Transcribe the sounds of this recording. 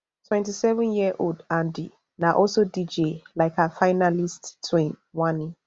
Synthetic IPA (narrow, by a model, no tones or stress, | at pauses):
tʰwɛ̃ntʰisɛvə̃njiəʔodãndɪ̰ | nãʔɔsodid͡ʒelaɪkʰafaɪnalisttʰːwĩn | wãnːɪ̃